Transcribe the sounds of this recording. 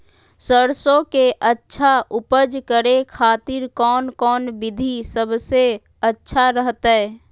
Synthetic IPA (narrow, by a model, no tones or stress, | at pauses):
səɾsõkeʔətːʃʰaʔʊpəd͡ʒkəɾekʰaːt̪ɪɾkɔːnkɔːnbɪd̪ʱisəbse | ətːʃʰaɾəɦt̪ɦɛː